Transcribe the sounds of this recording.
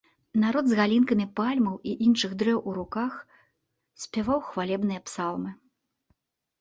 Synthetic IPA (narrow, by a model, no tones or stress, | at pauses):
naɾɔd̪zɣalʲinkɐmʲipalʲmɐwiʔinʂɨɣd̪ɾɛwʔuɾukax | sʲpʲavawxvalʲɛbn̪ɨjɐpsalˠmɨ